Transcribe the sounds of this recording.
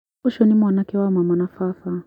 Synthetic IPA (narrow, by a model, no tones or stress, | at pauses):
ɔʃɔnimwanakɛwamamanafafa